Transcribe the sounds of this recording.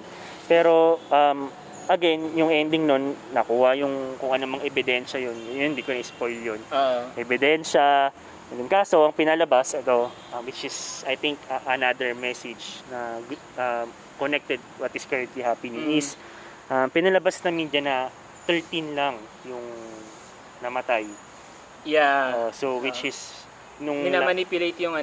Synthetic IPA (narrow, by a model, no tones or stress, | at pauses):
pɛɾo̞ʔɐm | ʔɐɡɛnjʊŋʔɛnd̪ɪŋno̞nːɐkuːɐjʊŋkʊŋʔɐnomɐŋʔɛbɪd̪ɛnʃɐjonjonnd̪iːkonɐɪspojljonʔɛbɪd̪ɛnʃɐ | ɐd̪ʊnkaːso̞ʔɐŋpɪnalɐbasɛt̪o̞ʔɐwɪt͡ʃɪsɐjθɪŋkɐʔɐnad̪ɛɹmɛsɪd͡ʒnɐ | ʔɐ | konɛk̚t̪ɛd̪̚wɐt̪ɪskɛɹɛnt̪liɦapiniɪs | ʔɐmpɪnalɐbasnɐmind͡ʒɐnɐ | t̪ɛɹt̪inlaŋ | jʊŋ | nɐmɐt̪aj | jaʔosowɪt͡ʃɪs | nʊŋɪnamɐnipjʊlejt̪jʊŋɐ